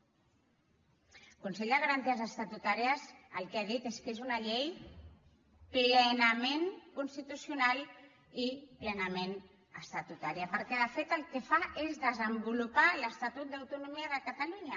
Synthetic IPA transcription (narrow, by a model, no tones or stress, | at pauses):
kunseʎd̪əɣaɾant̪iəzəst̪at̪ut̪aɾiəzəlˠkeaðit̪eskezunaʎej | plənəmeŋkunst̪it̪usjunalˠ | iplənəmen | əst̪at̪ut̪aɾiapəɾkɛðəfet̪əlˠkefaʔezðəzəmbulupaləst̪at̪ut̪̚d̪awt̪unumiəðəkət̪aluɲə